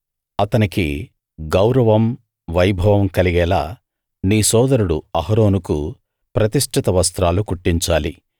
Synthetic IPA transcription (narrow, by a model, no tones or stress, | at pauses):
ɐt̪ɐnikḭ | ɡɐwɾɐʋɐm | ʋɐjbʱɐʋɐmkɐliɡɛːla̰ː | niːsɔːd̪ɐɾuɽuɐɦɐɾoːnuku | pɾɐt̪iʂʈʰit̪ɐʋɐst̪ɾaːlukuʈːiɲt͡ʃaːlḭ